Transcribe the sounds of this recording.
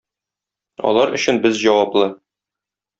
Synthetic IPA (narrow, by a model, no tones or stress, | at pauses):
ɒ̰lˠɑɾɵ̆ɕɘnbɘzʑɒwɑplˠɤ